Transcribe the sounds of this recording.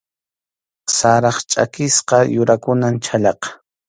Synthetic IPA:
saɾɑχt͡ʃʼa̰kɪsqɑjʊɾakʊnant͡ʃʰaʎɑqɑ̥

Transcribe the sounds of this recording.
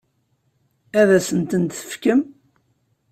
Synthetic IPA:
æðæsənt̪ənt̪θə̥fkəm

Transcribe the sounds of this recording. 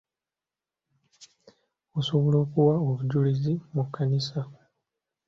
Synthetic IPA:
osoβolo̞ːkuwaoβuɟulizimukʰːanisa

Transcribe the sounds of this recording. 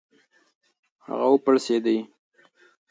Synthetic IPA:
ha̰ɣawəpəɽsed̪əj

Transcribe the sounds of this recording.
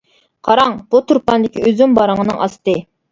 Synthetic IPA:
qʰɑɾɑŋb̥ut̪ʰuɾpɑnd̪ɪkʲiøzymbɑɾəŋənɨ̰ŋʔɑ̰st̪ɨ

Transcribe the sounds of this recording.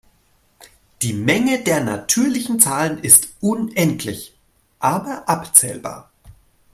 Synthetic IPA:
d̥iːmɛŋədeːɐnatʰyːɐlɪçn̩t͡saːlənɪstʔʊnʔɛntʰlɪç | ʔaːbɐʔapt͡sɛ̰ːlba̰ːɐ

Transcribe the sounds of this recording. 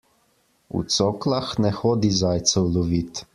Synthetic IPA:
ṵt̪soːklaxnɛxoːd̪izaːjt̪sɛwlɔʋiːt̪

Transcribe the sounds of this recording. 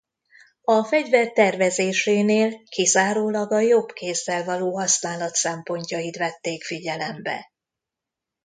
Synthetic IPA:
ɒfɛɟvɛrt̪ɛrvɛzeːʃeːneːlkizaːɾoːlɒɡɒjobkeːzːɛlvɒloːɦɒsnaːlɒt̪sɛmpo̞ɲcɒjit̪ʋɛt̪ːeːkfiɟɛlɛmbɛ̰

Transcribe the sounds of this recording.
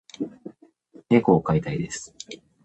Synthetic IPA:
ne̞koːkait̪aid̪e̞sɨ̥

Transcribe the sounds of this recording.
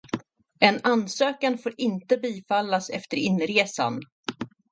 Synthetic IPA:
ɛnansøːkanfoːɾɪnt̪əbiːfalːasɛ̰ft̪əɾɪnːɾeːsa̰n

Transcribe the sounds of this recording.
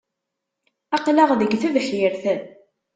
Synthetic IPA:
ɑqləʁðəɡθæðħjəɾθæn

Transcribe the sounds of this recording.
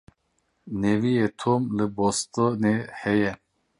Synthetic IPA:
nevijet̪ʰomlɨbost̪onehɛjɛ

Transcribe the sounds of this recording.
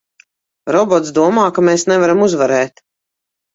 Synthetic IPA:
ɾɔbɔt̪sd̪uɔmaːkameːsnɛvaɾamuzvaɾɛːt̪

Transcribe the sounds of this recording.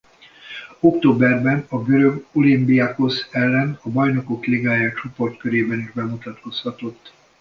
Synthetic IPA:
o̞kt̪oːbɛrbɛnɒɡø̞ɾø̞ɡolimbiako̞sɛlːɛnɒbɒjno̞ko̞kleɡaːjaːt͡ʃo̞po̞rt̪køɾeːbɛniʒbɛmut̪ɒt̪ko̞shɒt̪o̞t̪ː

